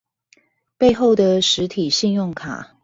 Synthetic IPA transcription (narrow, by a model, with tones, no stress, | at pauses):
pe˥˧ɪxo˥˩ʊd̪ə˩ʂɻ̩˧˥t̪ʰi˨˩ɕi˥˧njʊ˥˩ŋkʰa̰˨˩˦